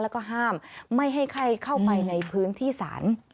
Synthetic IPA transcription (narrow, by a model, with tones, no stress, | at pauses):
lɛ˦˥wkɔː˥˩ɦaː˥˩mːa˥˩jɦa˥˩jkʰa˥˩jkʰa˥˩wpa˧jna˧jpʰɯː˦˥nt̪ʰiː˥˩sa̰ː˩˦n